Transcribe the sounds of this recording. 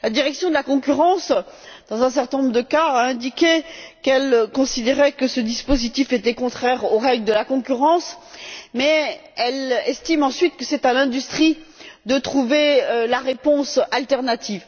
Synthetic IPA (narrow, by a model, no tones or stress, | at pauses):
lad̪iʁɛksjɔ̃d̪əlakɔ̃kʲyʁɑ̃s | d̪̥ɑ̃zɛ̃sɛ̃ʁt̪ɛ̃nɔ̃bʁd̪əkaːɛ̃d̪ikʲekɛlkɔ̃sid̪eʁɛkəsəd̪ispozit̪ifet̪ɛkɔ̃t̪χɛʁoʁɛɡld̪əlakɔ̃kʲyʁɑ̃smɛɛlɛst̪imɑ̃sɥit̪kəsɛt̪alɛ̃d̪yst̪χid̪ət̪χuveølaʁepɔ̃salt̪ɛʁnat̪ʰiv